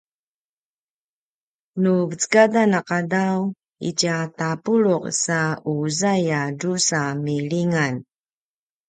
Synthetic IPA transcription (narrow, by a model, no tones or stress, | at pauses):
nuvət͡sə̥kadanaqadaw | ḭcatapuɭoqsauzajaɖ͡ʐusamiɭiŋan